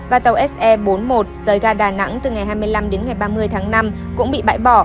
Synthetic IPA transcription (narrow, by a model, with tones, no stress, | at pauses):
vaː˨˩t̪ə˨˩wʔɛ˦˥sʔɛ˧ɓo˨˦nmo˨˩t̚z̥əː˨˩jɣaː˧ɗaː˨˩na̰˧˥ŋt̪ɨ˨˩ŋa˨˩jɦaː˧jmɨ˧əjla˧mɗe˨˦nŋa˨˩jɓaː˧mɨ˧əjt̪ʰaː˨˦ŋna˧m | kʊ̰˧˥ŋ͡mɓḭ˧˨ɓa̰ː˧˨jɓɔ˧˩